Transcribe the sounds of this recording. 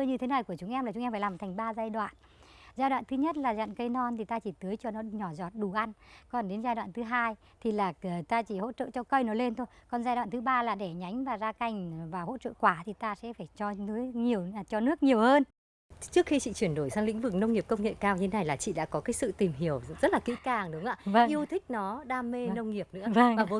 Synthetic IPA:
ɲɨ˧t̪ʰe˨˦na˨˩jku˧˩ət͡ɕʊ˨˦ŋ͡mʔɛ˧maː˨˩t͡ɕʊ˨˦ɛ˧faː˧˩laː˨˩t̪ʰŋ̟ɓaː˧zaː˧jɗwa̰ː˧˨n | zaː˧jɗwa̰ː˧˨nt̪ɨ˨˦ɲə˦˥t̚laː˨˩za̰˧˨nkə˨˧jnɔ˧nt̪ʰi˨˩t̪aː˧t͡ɕi˧˩t̪ɨ˨˦jt͡ɕɔ˧nɔ˨˦ɲɔ˧˩zɔ˨˩t̚ɗu˨˩ʔa˧nkɔ˨˩nɗe˨˦nzaː˧jɗwa̰ː˧˨nt̪ɨ˨˦ɦaː˧j | t̪ʰi˨˩laː˨˩˨t̪aː˧t͡ɕi˧˩ho̰˧˥t͡ɕə̰ː˧˨t͡ɕɔ˧kə˧jnɔ˨˦le˧nt̪ʰo˧jkɔ˨˩nzaː˧jɗwaː˧˨nt̪ɨ˨˦ɓaː˧laː˨˩ɗe˧˩ɲa˨˦jŋ̟vaː˨˩zaː˧ka˧˩jŋ̟vaː˨˩who̰˧˥t͡ɕə̰ː˧˨kwaː˧˩t̪ʰi˨˩t̪aː˧sɛ̰˧˥faː˧˩jt͡ɕɔ˧ɨ˨˦jɲi˨˩əwt͡ɕɔ˧nɨ˦˥ək̚ɲi˨˩əwhəː˧n | t͡ɕɨ˦˥əkxi˧t͡ɕḭ˧˨t͡ɕwi˧˩ənɗo˧˩jsaː˧ŋlḭ˧˥ŋ̟vɨ˨˩k̚nə˧wŋ͡mŋi˨˩əp̚kə˧wŋ͡mŋḛ˧˨kaː˧wɲɨ˧t̪ʰe˦na˨˩jlaː˨˩t͡ɕḭ˧˨ɗa̰ː˧˥kɔ˨˦kaː˨˦jsɨ̰˧˨t̪i˨˩mɦi˧˩əwzə˦˥t̚laː˨˩kḭ˧˥kaː˨˩ŋɗʊ˨˦ŋ͡mʔa̰ː˧˥və˧ŋʔi˧əwt̪ʰï˦˥k̟̚nɔ˨˦ɗaː˧me˧nə˧wŋ͡mŋi˨˩əp̚nɨ̰˧˥əvə˧ŋvaː˨˩vo˨˦

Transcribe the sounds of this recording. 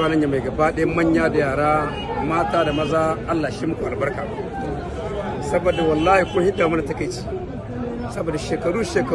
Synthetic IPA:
aː˨lɐ˦ɲja˨ma˨jɡɐ˨baː˦ɗɐ˦jɐ˦mɐ˦ɲjaː˦da˨jaː˨ɽaː˦ | maː˦taː˦da˨mɐ˦zaː˦ʔa˦lːaː˨ʃiː˦mʊ˦kʷu˨ʔa˨lbɐ˦rkaː˨mu˦ | sɐ˦bo˨dːa˨wɐ˨lːaː˦hi˨kʷʊ˦a˦hɪ˦daː˨mu˦na˨tɐ˦kɐ˨jt͡ʃi̥˦ | sɐ˦boː˨da˨ʃeː˨kɐ˨ɽuː˦ʃeː˨kɐ˨

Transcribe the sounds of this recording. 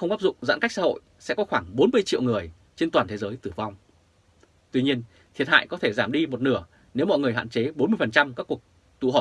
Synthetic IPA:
xə˧wŋ͡mʔaː˦˥p̚zʊ̰˧˨ŋ͡mza̰ː˧˥nka˦˥jk̚sa̰ː˧ho̰˧˨jsɛ̰˧˥kɔ˨˦xwaː˧˩ŋɓo˨˦nmɨ˧əjt͡ɕḭ˧˨əwŋɨ˨˩əj | t͡ɕe˧nt̪waː˨˩nt̪ʰe˨˦zəː˨˦jt̪ɨ˧˩va˧wŋ͡m | t̪wi˧ɲi˧ən | t̪ʰi˨˩ət̚ha̰ː˧˨jkɔ˨˦t̪ʰe˧˩zaː˧˩mɗi˧mo˨˩t̚nɨ˧˩ə | ne˨˦wmɔ̰˧˨ŋɨ˨˩əjɦa̰ː˧˨nt͡ɕe˨˦ɓo˨˦nmɨ˧əjfə˨˩nt͡ɕa˧mkaː˦˥kːu˨˩ək̚ | t̪ṵ˧˨ɦɔ˨˩

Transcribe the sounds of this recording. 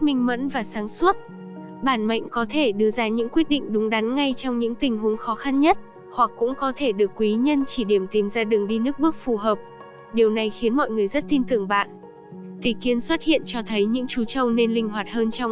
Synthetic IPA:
mï˧ŋ̟mə̰˧˥nvaː˨˩saː˨˦ŋswə˦˥t̚ | ɓaː˧˩nma̰˧˨jŋ̟kɔ˨˦t̪ʰe˧˩ɗɨ˧əzaː˧ɲɨ̰˧˥ŋkwi˦˥ət̚ɗḭ˧˨ŋ̟ɗʊ˨˦ŋ͡mɗa˨˦nŋa˧jt͡ɕɔ˧wŋ͡mɲɨ̰˧˥ŋt̪ï˨˩ŋ̟ɦu˨˦əŋxɔ˨˦xa˧nɲə˦˥t̚ | hwa˨˩kːʊ̰˧˥ŋ͡mkɔ˨˦t̪ʰe˧˩ɗɨ˨˩əkːwi˨˦ɲə˧nt͡ɕi˧˩ɗi˧˩əmt̪i˨˩mzaː˧ɗɨ˨˩əŋɗi˧nɨ˦˥ək̚ɓɨ˦˥ək̚fu˨˩ɦəː˨˩p̚ | ɗi˨˩əwna˨˩jxi˨˦ənmɔ̰˧˨jŋɨ˨˩əjzə˦˥t̚t̪i˧nt̪ɨ˧˩əŋɓa̰ː˧˨n | t̪i˨˩ki˧ənswə˦˥t̚hḭ˧˨ənt͡ɕɔ˧t̪ʰə˨˦jɲɨ̰˧˥ŋt͡ɕu˨˦t͡ɕə˧wne˧nlï˧ŋ̟ɦwaː˨˩t̚həː˧nt͡ɕɔ˧w

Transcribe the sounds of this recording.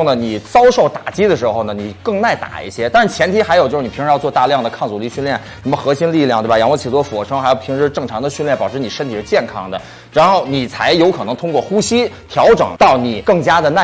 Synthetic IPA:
ŋnə˩ni˨˩t͡sɑ˥ʊʂo˥˩ʊt̪a˨˩t͡ɕi˥d̪ə˨ʂɻ̩˧˥xo˧ʊnə˩ni˨˩kɤ˥˧ŋna˥˩ɪt̪a̰˨˩ḭ˥˩ɕjɛ˥t̪a˥˧ʂɻ̩˥˩t͡ɕʰjɛ˧˥nt̪ʰi˥xa˧˥ɪjt͡ɕo˥˧ʂɻ̩˥˩nʰ˨˩˧ŋɻ̩˧jt͡swɔ˧t̪a˥˧ljɑ˥˩ŋd̪ə˩kʰɑ˥˩ŋt͡su˨˩li˥˧ɕy˥˧ljɛ˥˩nʂə˧˥mə˧xɤ˧˥ɕi˥nli˥˧ljɑ˥˧ŋt̪wjɑ˧˥ŋwə˥˩t͡ɕʰi˨˩ɔ˥fwɔ˨˩ʂɤ˥ŋxo˨˩pʰi˧˥ŋʂɻ̩˧˥ʈ͡ʂɤ˥˩ŋʈ͡ʂʰɑ˧˥ŋd̪ə˧ɕy˥˧nljɛ˥˩npɑ˨˩ʊʈ͡ʂʰɻni˨˩ʂə˥nt̪ʰi˨˩ʂɻ̩˥t͡ɕjɛ˥˩nkʰɑ˥ŋd̪ə˨ | ɻa˧˥nxo˥˩ʊni˨˩t͡sʰa˧˥ɪjo˧˥ʊkʰɤ˨˩nɤ˧˥ŋt̪ʰʊ˥ŋkwɔ˥˩xu˥ɕi˥t̪ʰjɑ˧˥ʊʈ͡ʂɤ̰˨˩˦ŋt̪ɑ˥˩ʊni˨˩˦kɤ˥˩ŋt͡ɕja˥d̪ə˨na˥˩

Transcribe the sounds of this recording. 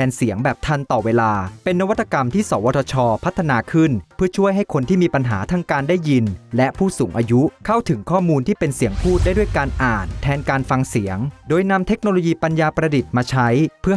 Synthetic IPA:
ɛː˧nsi˩˦əŋbɛː˨˩p̚t̪ʰa˧nt̪ɔː˨˩weː˧laː˧pe˧nːa˦˥wa˦t̪ʰːa˧ka˧mt̪ʰiː˥˩sɔː˩˦wɔː˧˥t̪ʰɔː˧t͡ɕʰɔː˧pʰa˦˥t̪ʰːa˧naː˧kʰɯ˥˩npʰɯ˥˩ɐt͡ɕʰu˥˩əjɦa˥˩jkʰo˧nt̪ʰiː˥˩miː˧pa˧nɦa̰ː˩˦t̪ʰa˦˥ŋkaː˧ndaː˥˩ji˧nlɛ˦˥ʔpʰuː˥˩suː˩˦ŋʔaː˧ju˦˥kʰa˥˩wt̪ʰɯ˩˦ŋkʰɔː˥˩muː˧nt̪ʰiː˥˩pe˧nsi˨˩˦əŋpʰuː˥˩t̪̚daː˥˩jdu˥˩jkaː˧nʔaː˨˩nt̪ʰɛː˧nkaː˧nfa˧ŋsi˩˦əŋdoː˧jna˧mt̪ʰe˦˥k̚noː˧lo˧jiː˧pa˧njaː˧pɾa˧di˨˩t̪̚maː˧t͡ɕʰa˦˥jpʰɯ˥˩

